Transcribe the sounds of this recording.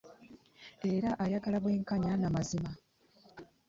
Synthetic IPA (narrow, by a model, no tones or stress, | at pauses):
e̞ɾaʔajaɡalaβwe̞ːŋkaɲanamazima